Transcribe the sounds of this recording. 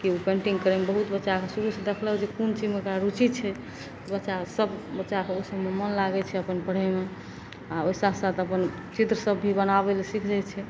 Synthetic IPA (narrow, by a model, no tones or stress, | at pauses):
kiupeɳʈiŋɡkəɾemebəɦut̪bətːʃakesuɾusd̪ekʰlɛd͡ʒekunt͡ʃid͡ʒmekɾaɾut͡ʃit͡ʃʰɛ | t̪obətːʃasəbbətːʃakeosəbmemənlaɡɛt͡ʃʰɛəpənpəɽ̤ɛme | aoisasat̪əpən | t͡ʃit̪ɾəsəbːʱibənabelsikʰd͡ʒajt͡ʃʰɛ